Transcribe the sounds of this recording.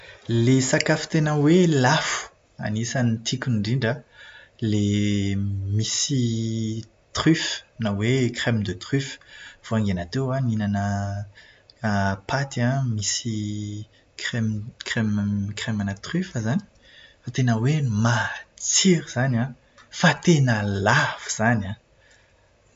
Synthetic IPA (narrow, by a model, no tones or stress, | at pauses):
lesakafi̥t̪enəwelafu̥ | a̰nisanit̪ʰikʲunɳɖ͡ʐiɳɖ͡ʐale | misi | t̪χyfnawekrɛmd̪ət̪χyfv̥oaŋɡenat̪ewaninanə | pat̪iãmisi | kχɛmkremkrɛmanət̪χyfəzani̥ | fat̪enəwemat͡siɾiz̥anã | fat̪enəlav̥u̥z̥anã